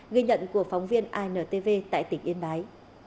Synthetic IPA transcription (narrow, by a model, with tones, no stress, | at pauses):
ɣə˧jɲə̰˧˨nku˧˩ək̚fa˨˦wŋ͡mvi˧ənʔaː˧jnəː˨˩t̪e˧ve˧t̪a̰ː˧˨jt̪ï˧˩ŋʔi˧ənɓaː˨˦j